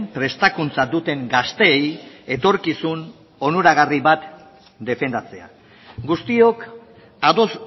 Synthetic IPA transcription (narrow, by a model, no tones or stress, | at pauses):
mpɾe̞st̪akunt͡sad̪ut̪e̞ŋɡast̪e̞ːje̞t̪o̞ɾkisun | o̞nuɾaɣ̞ariβat̪ | d̪e̞fe̞nd̪at͡se̞a̰ | ɡust̪io̞k | aðos